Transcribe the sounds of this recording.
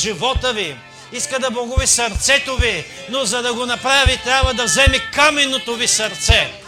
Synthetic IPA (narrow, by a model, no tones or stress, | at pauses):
ʒivɔt̪əvi | iskəd̪ɐbɐɡuvisɐɾt̪sɛt̪ovinozɐd̪ɐɡonɐpɾavit̪ɾʲabvɐd̪ɐvzɛmikamɛnːot̪ovisɐɾt̪sɛ